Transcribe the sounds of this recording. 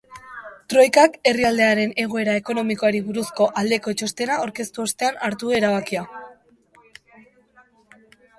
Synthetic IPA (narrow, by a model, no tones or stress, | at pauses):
t̪ɾo̞jkake̞riald̪e̞aɾe̞ne̞ɣ̞oe̞ɾae̞ko̞no̞miko̞aɾiβuɾusko̞ʔald̪e̞ko̞t͡ʃo̞st̪e̞nao̞ɾke̞st̪uost̪e̞anaɾt̪ue̞ɾaβakia